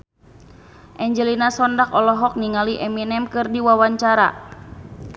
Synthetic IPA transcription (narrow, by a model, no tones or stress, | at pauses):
ʔɛɲd͡ʒɛlinasɔndakɔlɔɦɔk̚niŋaliʔɛminɛmkɨrdiwawaɲt͡ʃaɾa̰